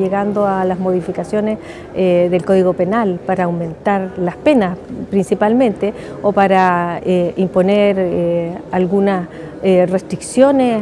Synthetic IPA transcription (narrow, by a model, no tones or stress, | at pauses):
eɣand̪oalazmo̞ðifikasjo̞nes | ðelko̞ðiɣo̞pe̞nalpaɾaːwmẽ̞nt̪aɾlaspe̞naspɾinsipalmẽ̞nt̪e | opaɾaeimpo̞neɾealɣunas | rest̪ɾiksjo̞ne